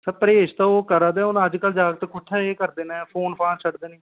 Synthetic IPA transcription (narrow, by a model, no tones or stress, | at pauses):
səpəɾeːʃt̪ãːoːkəɾaːd̪ẽːonːəd͡ʒkəld͡ʒaːɡt̪ːkʊʈʰːaːeːkəɾd̪eːnɛ̃ːpʰoːnpʰaːnt͡ʃʰəɽd̪eːnẽː